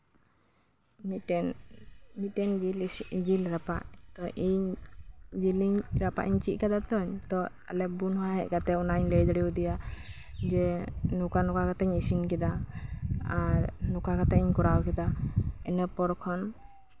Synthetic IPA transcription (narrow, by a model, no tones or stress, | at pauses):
nmitɛnd͡ʒilɾapaʔt̪ɔʔiɲ | d͡ʒiliɲɾapa̰ʔiɲt͡ʃiʔ̚kad̪at̪ɔɲt̪ɔ | alɛbunahɛʔkat̪ɛɔnaɲlɛjd̪əɽiud̪ija | d͡ʒɛnukanɔkakat̪aɲisinkɛd̪a | aɾnukakat̪aiɲkɔɽawkɛd̪aɛnɛpɔɾkʰɔn